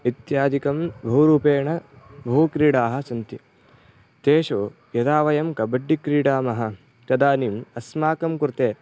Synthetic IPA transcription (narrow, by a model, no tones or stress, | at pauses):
it̪jaːd̪ikɐmbʱɐwɾuːpeːɳɐ | bʱɐwkɾiːɽaːɦɐ̆sɐnt̪i | t̪eːʃoː | jɐd̪aːʋɐjɐmkɐbɐɖːikɾiːɽaːmɐɦɐ̆ | kɐd̪aːnimɐsmaːkɐmkuɾt̪eː